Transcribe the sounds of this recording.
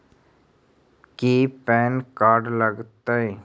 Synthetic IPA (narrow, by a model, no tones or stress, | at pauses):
kiːpɛːnkaːɾɖləɡt̪aeː